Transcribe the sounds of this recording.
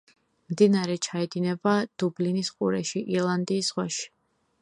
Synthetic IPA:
md̪inaɾɛt͡ʃʰaɛd̪inɛbad̪̥ublinisqʼṵɾɛʃiʔiɾlˠand̪iːsʁwaʃi̥

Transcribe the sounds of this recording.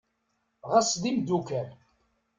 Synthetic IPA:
ʁəsðimd̪ukæɾ

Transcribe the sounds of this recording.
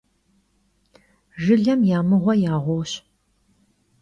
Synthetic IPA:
ʒɨɮɐmjaːmɨʁʷɔjaːʁʷɔːɕ

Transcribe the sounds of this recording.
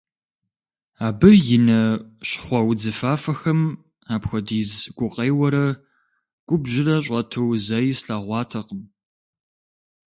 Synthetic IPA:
aːbɨjɪnɐɕχʷɐwd͡zɨfaːfɐxɐm | aːpxʷɐdiːzɡ̥ʷʊqʼeːwɐɾɐ | ɡ̥ʷʊbʒɪrɐɕ̬ʼɐtʰɐwzɐjsɬaːʁʷɑːtʰɐqəm

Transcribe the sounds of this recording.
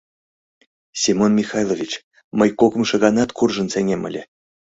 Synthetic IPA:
sʲimonmʲixɑjlˠovʲit͡ɕ | məjkokə̆mʃɤ̆ɣɑnɑt̪kurʒə̆nseŋʲemə̰̆lʲe

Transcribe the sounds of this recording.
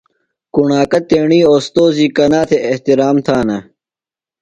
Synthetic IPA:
kuɳaːkɐt̪eːɳiːoːst̪oːziːkɐnaːt̪ʰeʔeht̪iɾaːmt̪ʰaːnɐ

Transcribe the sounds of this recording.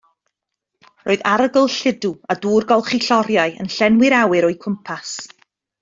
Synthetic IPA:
roːðaɾəɡʊlˠɬɪduaduːrɡɔlˠχiɬɔɾjaɨə̰nɬɛnwɪɾawɨɾɔjkʰʊmpʰas

